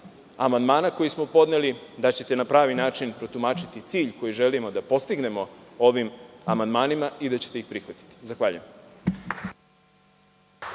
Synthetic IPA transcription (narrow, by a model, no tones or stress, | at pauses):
amand̪maːnako̞jismo̞po̞d̪nelid̪at͡ɕe̞t̪e̞napɾaːʋinaːt͡ʃinpɾo̞t̪umaːt͡ʃit̪it̪siːʎko̞jiʒelimo̞d̪apo̞st̪iɡne̞mo̞o̞ʋima̰mand̪maːnimaid̪at͡ɕe̞t̪e̞ixpɾixʋat̪i̥t̪i̥zaxʋaːʎṵjem